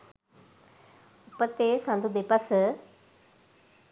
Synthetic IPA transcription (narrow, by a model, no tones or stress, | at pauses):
ʊpət̪ːesãnd̪ud̪epəs